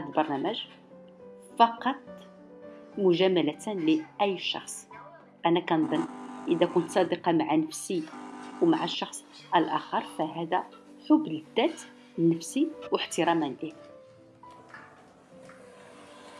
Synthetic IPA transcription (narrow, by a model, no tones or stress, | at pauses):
æd̪lbɑɾˤnæmæʒ | fɑqɑt̪ˤ | mʊʒæmælæt̪nliʔæjːʃɑ̰xsˤ | ʔænækænd̪ˤənʔəd̪ækʊnt̪sˤɑd̪iqɑmaʕanəfsiwmaʕaʃːɑxsˤ | ʕælʔæxəɾˤfæɦæd̪æ | ħʊbːləd̪ːæt̪ | nəfsiwəħt̪əɾɑmænli